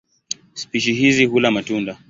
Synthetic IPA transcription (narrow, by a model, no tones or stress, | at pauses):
spiʃiɦizihulamatunda